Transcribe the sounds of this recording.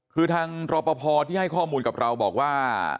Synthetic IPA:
kʰɯː˧t̪ʰaː˧ŋɾɔː˧pɔ˧pʰɔː˧t̪ʰiː˥˩ɦa˥˩jkʰɔː˥˩muː˧nka˨˩p̚ɾʔa˧wbɔː˨˩k̚waː˥˩

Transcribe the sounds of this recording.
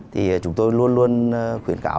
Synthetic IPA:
t̪ʰi˨˩˨t͡ɕʊ˨˦ŋ͡mt̪o˧jlu˧ənlu˧ənxwḭ˧˩ənka̰ː˧˦

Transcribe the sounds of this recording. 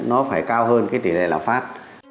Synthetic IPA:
nɔ˨˦faː˧˩jkaː˧wɦəː˧nkaː˨˦jt̪ḭ˧˩lḛ˧˨laː˧˩mfaː˦˥t̚

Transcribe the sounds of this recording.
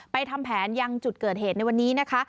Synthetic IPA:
pa˧jt̪ʰa˧mpʰɛː˩˦nja˧ŋt͡ɕu˨˩t̪̚kɤː˨˩heː˨˩t̪na˧jwa˧nːiː˦˥na˦˥kʰa˦˥

